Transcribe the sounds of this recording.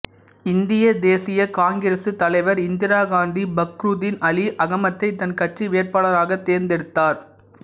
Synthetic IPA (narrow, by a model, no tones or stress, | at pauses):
ɪnd̪ɪjɐd̪eːsɪjɐkaːŋɡɪɾɐsɯt̪ɐlɐɪʋɐɾɪnd̪ɪɾaːɣaːnd̪ibɐkɾuːðɪnɐliʔɐɣɐmɐt̪ːɐɪt̪ɐnkɐʈriʋeːɾpaːɭɐɾaːɣɐt̪ːeːɾnd̪ɛɽɯt̪ːaːɾ